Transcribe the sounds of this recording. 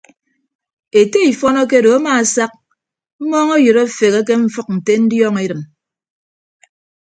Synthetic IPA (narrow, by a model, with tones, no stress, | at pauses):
e˨te˦i˨fɔ˦nɔ˦k̬e˦do˨a˦maː˨a˨sa˦k̚ | m̩˦mɔː˦ŋo˦jɨ˨ɾo˦˨fe˨ɣe˦k̬e˦ɱ̩˦fɨ˦k̚n̩˨te˦n̩˦djɔː˦ŋe˦ɾɨ˨m